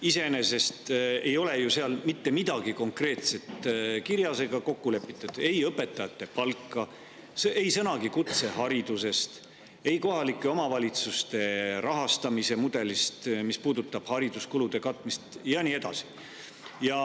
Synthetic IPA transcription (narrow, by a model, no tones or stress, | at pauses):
ise̞ne̞se̞st̪e̞jo̞le̞juse̞ɑlmit̪ːe̞mid̪̥ɑɡ̥iko̞ŋkre̞ːt̪se̞t̪kiɾjɑse̞ɡ̥ɑko̞kːule̞pːˑit̪ːˑud̪̥e̞jɤpːˑe̞t̪ːˑɑjɑt̪ːˑe̞pɑlkːˑɑ | sʔe̞jsɤnɑɡikut̪se̞ɦɑɾid̪̥use̞st̪ | e̞jko̞ɦɑlikːˑeo̞mɑvɑlʲit̪sust̪e̞ɾɑɦɑst̪ɑmise̞mud̪̥e̞list̪mispuːd̪̥ut̪ːˑɑb̥hɑɾid̪̥uskulud̪̥e̞kɑt̪ːˑmist̪jɑniːe̞d̪̥ɑ̰si̥ | jɑ